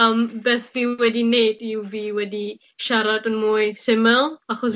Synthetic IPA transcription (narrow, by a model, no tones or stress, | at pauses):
əmbeːθviwɛdinejdiwviːwɛdi | ʃaɾadənmuːjsɪmɛlˠaχɔs